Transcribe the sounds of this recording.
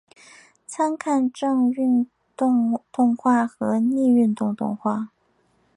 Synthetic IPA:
t͡sʰa˥nkʰa˥˧nʈ͡ʂɤ˥˧ŋy˥˧n | t̪ʊ˥˧ŋt̪ʊ˥˧ŋxwa˥˩xɤ˧˥ni˥˧y˥˧nt̪ʊ˥˧ŋt̪ʊ̰˥˧ŋxwa˥˩

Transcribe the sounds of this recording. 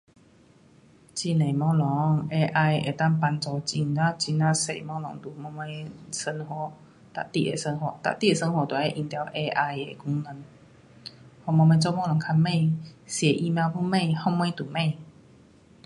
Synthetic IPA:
t͡ɕi˧ne˨˩mɔ̃˧˦lɔ˨˦ŋe˧ʔa˧jḛ˨˩t̪a˥˧˨ŋpa˧nt͡sɔ˧t͡ɕi˧ŋnã˦t͡ɕi˧nnã˦sḛ˨˩mɔ̃˧˦lɔ˨˧˦ŋt̪u˨˩mɔ˧me˧˦sə˧nhɔ˧˦ | t̪a̰˨t̪i˧ʔḛ˨˩sə˧nɦɔ˧˩t̪a̰˨t̪i˥˨e˨˩sə˧nhɔ˧˨t̪wa˨˩˨a˧˦ʔi˧˩nt̪ja˨˩wʔe˧ʔa˧je˨kʰu˧˦ŋnə˧n | hɔ˧˨mɔ˧mẽ˧˦t͡sɔ˥˦˨mɔ̃˧˦lɔ˨˩ŋkʰa˧nmẽ˥˧˨sje˨˩ʔi˧mjã˧wpʰu˧˦mẽ˥˧˨hɔ˥˧mẽ˦t̪u˨˩mẽ˥˨

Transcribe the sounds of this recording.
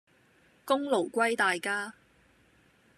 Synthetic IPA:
kʊ˥ŋlo˨˩wkʷɐ˥jt̪aː˨jkaː˥

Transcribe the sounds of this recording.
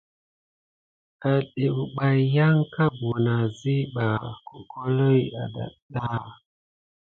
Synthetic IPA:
ka˨ɗe˨u˨ɓa˨ja˦ŋka˦bu˨na˨zi˦ɓa˨ku˨kʰo˦lo˦ja̰˨ɗa̰˨ɗa˦

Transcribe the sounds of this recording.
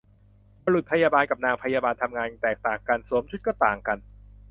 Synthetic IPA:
ba˧lu˨˩t̪̚pʰa˧jaː˧baː˧nka˨˩p̚naː˧ŋpʰa˧jaː˧baː˧nt̪ʰa˧mŋaː˧nt̪ɛː˨˩k̚t̪aː˨˩ŋka˧nsu˩˦mt͡ɕʰu˦˥t̪̚kɔ˥˩t̪aː˨˩ŋka˧n

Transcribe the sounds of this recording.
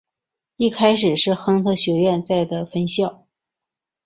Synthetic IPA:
i˥˩kʰa˥ɪʂɻ̩˨˩ʂɻ̩˥˩xɤ˥ŋxɤ˥ɕjɔ˧˥ɥɛ˥˧nt͡sa˥˩ɪd̪ə˩fə˥nɕjɑ˥˩ʊ

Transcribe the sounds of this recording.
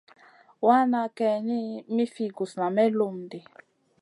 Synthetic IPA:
wa˦na˨kɛ˨ni˦mi˦fi˦ɡu˨sna˨mɛ˦lu˦˨m˨di˨

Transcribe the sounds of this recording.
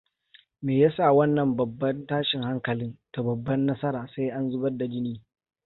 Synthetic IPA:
meː˨ja˦sa˦˨wɐ˦nːɐ˨mbɐ˨bːɐ˦ntaː˦ʃɪ˨ŋha˦ŋkɐ˨lɪ˦nta˨bɐ˨bːɐ˦nːɐ˦sɐ˦ɾaː˨sa˦jʔa˦nzʊ˦bɐ˦da˨d͡ʒɪ˦niː˦

